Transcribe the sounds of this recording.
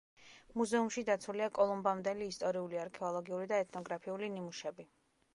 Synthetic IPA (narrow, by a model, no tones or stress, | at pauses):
muzɛumʃid̪at̪sʰuliakʼɔlˠɔmbamd̪ɛliːst̪ʼɔɾiuliaɾkʰɛɔlˠɔɡiulid̪aɛt̪ʰnɔɡɾapʰiulinimuʃɛbi